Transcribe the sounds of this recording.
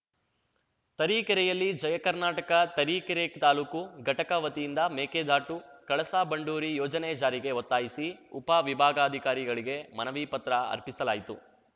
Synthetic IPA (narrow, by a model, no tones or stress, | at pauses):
t̪ɐɾiːkɐɾɛjɐlːid͡ʒɐjɐkɐɾnaːʈɐkɐt̪ɐɾiːkɛɾekt̪aːluːkuɡʱɐʈɐkɐʋɐt̪ijind̪ɐmeːkeːd̪ʱaːʈukɐɭɐsaːbɐɳɖuːɾijɔːd͡ʒɐnɛd͡ʒaːɾiɡe̞ot̪ːaːjisiupaʋibʱaːɡaːɐd̪ʱikaːɾiɡɐɭiɡe̞mɐnɐʋiːpɐt̪ɾɐɐ̰ɾpisɐlaːjit̪ṵ